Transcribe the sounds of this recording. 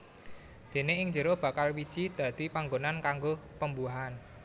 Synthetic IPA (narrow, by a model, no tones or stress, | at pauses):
d̪̥e̤neɪŋd͡ʒəɾohb̥ä̤kalwid̥ʒ̥id̪̥ä̤d̪̥ipaŋɡonankaŋɡopəmbuɦan